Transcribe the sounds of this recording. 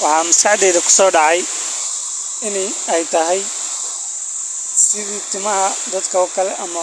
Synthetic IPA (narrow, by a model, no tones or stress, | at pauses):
wɑħɑːmɪskɑʕd̪ɛːðɐkʰʊ̥sɔːɖɑʕɑj | ɪnɛ | ɛjt̪ʰɐɦɛj | sɪðiːt̪ʰɪmɐɦɐd̪ɐd̪kʰɐɔːkʰɐlɛʔɐmɐ